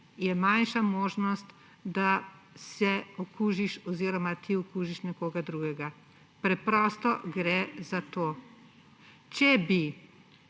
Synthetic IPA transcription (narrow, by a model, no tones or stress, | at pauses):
jɛmanʃamoːʒnɔst̪ | d̪a | sɛɔkuːʒiʃɔziːɾɔmat̪ʰiɔkuːʒiʃnɛkoːɡad̪ɾuːɡɛɡa | pɾɛpɾɔst̪ɔɡɾɛzat̪oː | t͡ʃɛbi